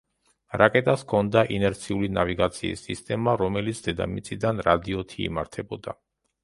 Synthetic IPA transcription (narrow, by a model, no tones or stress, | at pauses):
ɾakʼɛt̪ʼaskʰɔnd̪aʔinɛɾt̪sʰiulinaviɡat̪sʰiḭsːist̪ʼɛmaɾɔmɛlit̪sʰd̪ɛd̪a̰mit̪sʼid̪anɾad̪iɔt̪ʰḭːmaɾt̪ʰɛbɔd̪a̰